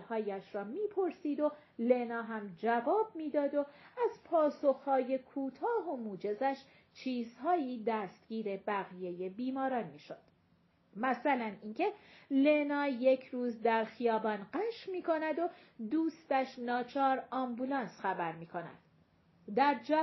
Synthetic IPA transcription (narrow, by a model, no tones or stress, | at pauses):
hɒːjæʃɾɒːmiːpʰo̞ɾsiːd̪o̞ | lenɒːɦæmd͡ʒævɒːb̚miːd̪ɒːd̪o̞æzpʰɒːso̞xhɒːje̞kʰuːt̪ʰɒːɦo̞muːd͡ʒe̞zæʃ | t͡ʃʰiːzhɒːiːd̪æːst̪ɟ̥iːɾe̞bæɣije̞je̞biːmɒːɾɒːnmiːʃo̞d̪̥ | mæsælæniːncʰe̞le̞nɒːje̞cʰɾuːzd̪æɾxijɒːbɒːnɢæʃmiːkʰo̞næd̪o̞ | d̪uːst̪æʃnɒːt͡ʃʰɒːɾɒmbulɒːnsxæbæɾmiːkʰo̞næ̰d̪̥ | d̪æɾd͡ʒæ